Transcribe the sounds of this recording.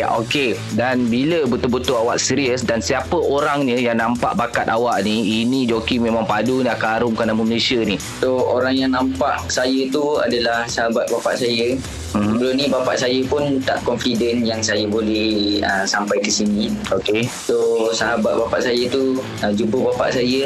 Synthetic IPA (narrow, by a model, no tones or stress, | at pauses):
ʔo̰ke | danbiləbət̪ubət̪uawaʔsiɾiəsdansiapəoɾaŋɲəjaŋnãmpa̰ʔbakat̪̚awaʔniinĩd͡ʒokimẽmãŋpadunaʔkaɾʊmkanaməməlesiəni | sooɾaŋjaŋnãmpaʔsajət̪ua̰dalahsəɦabat̪̚bapa̰ʔsajə | msəbəlʊmnĩbapa̰ʔsajəpʊnt̪a̰ʔkɔnfidənjaŋsajəbolɛhəsampajkəsinĩokesosəɦabat̪̚bapa̰ʔsajət̪u | əd͡ʒupəbapa̰ʔsajə